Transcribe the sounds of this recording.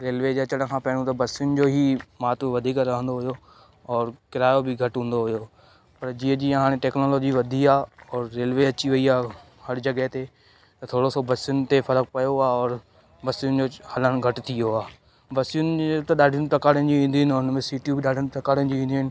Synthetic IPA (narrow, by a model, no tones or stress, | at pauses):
ɾeːlʋeːd͡ʑeːɐt͡ɕəɽ̃kʰãːpɐɦɽ̃ũt̪ɐbɐsijʊnɪ̆d͡ʑoːɦiːmaːt̪ʋɐd̪ʱiːkɾɐɦə̃nd̪oɦʊjo | ɔːɾkɪɾaːjobɪɡʱɐʈɦũːn̆d̪oɦʊjo | pɐɾd͡ʑiːə̃d͡ʑiːɦaːɽ̃eʈɛːknoːloːd͡ʑiʋɐd̪ʱiaːɔːɾːeːlʋeɐt͡ɕiʋɐiaː | hɐɾd͡ʑɐɡəɦt̪e | t̪ɐt̪ʰoːɽosobɐsijʊnɪ̆t̪efɐɾək̚pɐjoaːɔːɾ | bɐsijʊnɪ̆d͡ʑoːhɐləñɡʱɐʈt̪ʰijoaː | bɐsijʊnɪt̪ɐɗaːɖʱɪñɪt̪ɐkaːɽənɪd͡ʑiːĩːnd̪iʊnɪʊnmẽsiːʈijubɪɗaːɖʱɪñɪt̪ɐkaːɽənɪd͡ʑiĩːnd̪iɪnɪ̆